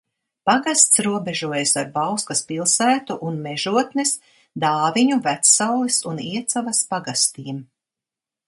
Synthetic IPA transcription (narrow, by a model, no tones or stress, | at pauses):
paɡast̪sɾuɔbeʒuɔjasaɾbawskaspilˠsæːt̪uʔunmɛʒuɔt̪nɛs | d̪aːviɲuvæt̪sawlˠisuniɛt̪savɐspaɡast̪iːm